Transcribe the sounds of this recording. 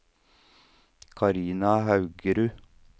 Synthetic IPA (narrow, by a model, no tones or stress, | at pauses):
kʰɑɾiːnɑhɑʉɡəɾʉː